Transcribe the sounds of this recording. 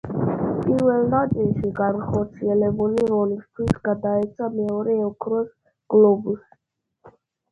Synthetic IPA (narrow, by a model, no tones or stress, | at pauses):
pʼiɾvɛlˠnat̪sʼilˠʃiɡanχɔɾt̪sʰiɛlɛbuliɾɔlist̪ʰwisɡ̥ad̪aɛt̪sʰamɛɔɾɛːɔkʰɾɔs | ɡ̥lɔbus